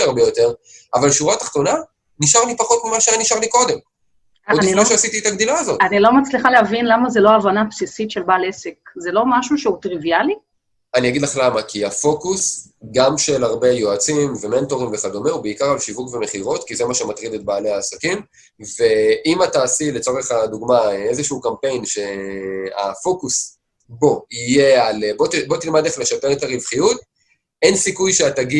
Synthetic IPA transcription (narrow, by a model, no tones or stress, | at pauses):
aʁbejo̞te̞ʁavalʃuʁat̪aχt̪o̞na | niʃaʁnipaχo̞tmimaʃaniʃaʁliko̞d̪e̞m | oiflneʃeasit̪iet̪aɡdilaːzo̞tanilo̞mat͡sliχalehavinlamazeloaːvanapsisitʃe̞lbaːlesekzelo̞maʃuʃeut̪ʁiviali | aniaɡid̪laχlamakʰiafo̞kus | ɡamʃe̞laʁbe̞joat͡simve̞me̞nto̞ʁimve̞χado̞meubeikaʁalʃivukve̞me̞χiʁo̞tkize̞maʃematʁidet̪̚baːle̞aːsakim | ve̞ʔimataːsile̞t͡so̞ʁeχaduɡmaezeʃuukampe̞jnʃe̞a̰fo̞kus | bo̞ije̞albo̞tbo̞t̪ilmad̪leχle̞ʃape̞ʁetaʁivχijut̚ | e̞nsikujʃeat̪aɡi